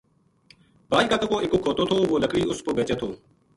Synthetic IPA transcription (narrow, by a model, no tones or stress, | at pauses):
baːd͡ʒkaːk̪əkoːʔɪkoːkʰːoːt̪oːt̪ʰoːʋoːləkɽiːʊspobeːt͡ʃeːt̪ʰoː